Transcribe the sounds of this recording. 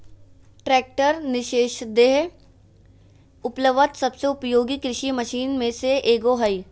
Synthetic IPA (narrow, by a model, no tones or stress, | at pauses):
ʈɾɛːk̚ʈəɾnɪʃeːʃd̪eːɦ | ʊpləʋət̪sɐbseʊpjoːɡikɾɪʃiməʃiːnmẽseʔeːɡoɦɐi